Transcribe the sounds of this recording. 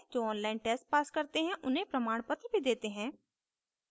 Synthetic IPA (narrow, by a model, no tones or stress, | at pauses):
d͡ʒoːɔːnlaːɪnʈɛːsʈ̚paːskɐɾt̪eɦɛ̃ʔʊnɦẽpɾɐmaːɽ̃pət̪ɾbʱid̪eːt̪eɦɛ̃ː